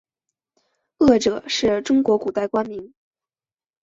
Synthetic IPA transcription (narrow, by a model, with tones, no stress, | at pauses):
ɤ˥˩ʈ͡ʂɤ˨˩˦ʂɻ̩˥˩ʈ͡ʂʊ˥ŋkwɔ˧˥ku˨˩t̪a˥˩ɪkwa˥nmi˧˥ŋ